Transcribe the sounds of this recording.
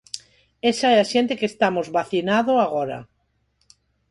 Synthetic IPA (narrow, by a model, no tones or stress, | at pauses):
esaeaʃjent̪ekeːst̪amozβaθinaðoaɣ̞oɾa̰